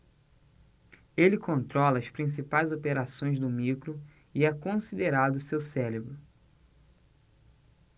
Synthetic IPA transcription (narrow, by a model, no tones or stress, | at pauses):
elɪkõnt̪ɾɔlɐɐspɾĩs̬ipajzopeɾasõj̃zd̪ʊmikɾʊ | iɛkõsid̪eɾad̪ʊsewsɛlebɾʊ